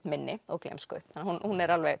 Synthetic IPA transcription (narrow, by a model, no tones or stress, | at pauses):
mɪnːɪɔɣklḛjmskʏ̰θanːahunhunːɛɾalvɛɣ